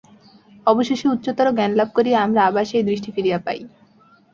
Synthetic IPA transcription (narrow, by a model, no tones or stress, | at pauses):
ɔboʃeʃiut̪ːɕot̪ɔɾoɡɛnlab̚koɾieamɾaabaʃejd̪ɾiʃʈifiɾijapa̰j